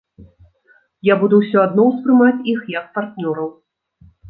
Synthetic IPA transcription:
jabud̪uwsʲɔad̪nɔwspɾɨmat͡sʲixjɐk̚part̪nʲɔɾɐw

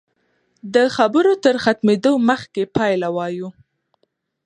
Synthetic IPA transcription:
d̪əxabəɾot̪əɾxat̪med̪oməxkepɑjlawɑju

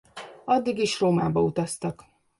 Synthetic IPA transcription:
ɒd̪ːiɡiʃroːmaːbɒut̪ɒst̪ɒk

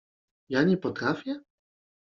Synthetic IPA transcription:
jaɲɛpɔt̪ɾafʲjɛ

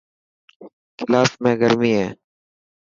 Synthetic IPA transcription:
kɪlaːfmẽːɡəɾmiːɦẽː

